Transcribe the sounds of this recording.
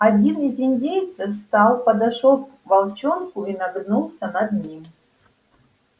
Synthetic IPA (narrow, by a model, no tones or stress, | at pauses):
adʲinizʲinʲdʲejt̪sɨfst̪alˠpɐd̪aʂɔk̚vɐlˠt͡ɕonkʊinaɡ̪nulˠsʲənad̪nʲimʲ